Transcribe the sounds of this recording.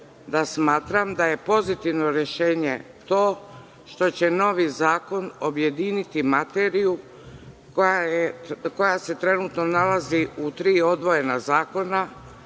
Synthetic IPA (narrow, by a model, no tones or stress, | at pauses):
d̪asmaːt̪ɾamd̪aje̞po̞zit̪iʋno̞ɾje̞ʃe̞ːɲe̞ | t̪o̞ː | ʃt̪o̞t͡ɕe̞no̞ʋizaːko̞no̞bje̞d̪iːnit̪imat̪eɾiju | kajeko̞jase̞t̪ɾe̞nut̪no̞nalaziut̪ɾiːo̞d̪ʋo̞je̞nazaːko̞na